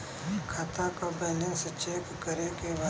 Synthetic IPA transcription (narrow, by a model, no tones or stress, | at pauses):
kʰat̪akabənaset͡ʃeːkːəɾekeʋa